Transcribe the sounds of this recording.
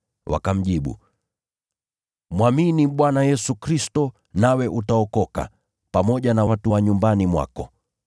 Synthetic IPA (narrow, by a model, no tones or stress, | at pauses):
wʔa̰kam̩ʄiɓṵ | mwaminiɓwanajɛsukɾistɔ | nawɛʔutaɔkɔka̰ | pamɔʄanawatuwaɲumbanimwa̰kɔ